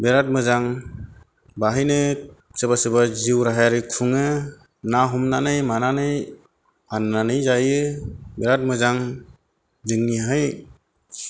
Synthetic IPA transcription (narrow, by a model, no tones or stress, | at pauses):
beɾat̚mɯzaŋ | baɦijnɯ | sebasɯbaziwɾaɦajaɾɯkʰuŋɯ | naɦumnanɯjmananɯj | anːanɯjzajɯbeɾat̚mɯzaŋ | zɯŋniɦɯj